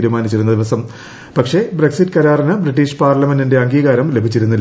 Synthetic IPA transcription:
iːɾumaːnit͡ɕːiɾunːɐd̪iʋɐsɐm | pɐkʂe̞bre̞ksitːɨkɐɾaːrɐnɨbriʈːiːʂpaːrlɐmendinde̞ɐŋɡiːɣaːɾɐmle̞bʱit͡ɕːiɾunːil

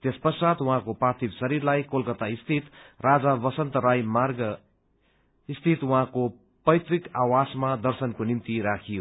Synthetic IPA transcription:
t̪espʌsat̪wuɦãkopart̪ʰibsʌɾirlajkolkʌt̪aist̪ʰit̪rad͡zabʌsʌnt̪ʌɾajmarɡ | ist̪ʰit̪wʌɦãko | pʌjt̪rikawasmad̪ʌrsʌnkonimt̪iɾakʰijo

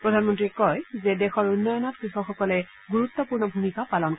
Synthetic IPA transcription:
pɹɔdʱanmɔntɹiɛkɔjzɛdɛxɔɹunːɔjɔnɔtkɹixɔxɔkɔlɛ | ɡuɹutːɔpuɹnɔbʱumikapalɔnk

